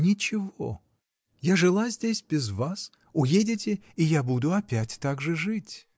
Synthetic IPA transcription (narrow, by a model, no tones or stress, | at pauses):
nʲɪt͡ɕɪvo̰ | jaʐɨlˠazʲdʲesʲbʲɪzvas | ʊjedʲɪtʲɪijabud̪ʊɐpʲætʲt̪aɡʐɨʐɨtʲ